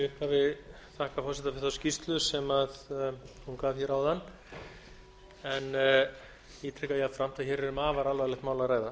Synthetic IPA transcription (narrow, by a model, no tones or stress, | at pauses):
ʏhphavɪ | θahkafɔr̥sɛt̪afɛ̥θascist̪lʏsɛmaðhunkaːv̥çɛɾawðanː | ɛn | ɛt̪ʰɾɛkajafɾam̥t̪ʰaçɛɾɛɾʏmaːvaɾalvalɛxt̪maːwlaɾaːjða